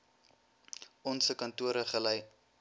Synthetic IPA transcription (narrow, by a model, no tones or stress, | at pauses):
ɔnsəkɐntuəɾəχəlɛj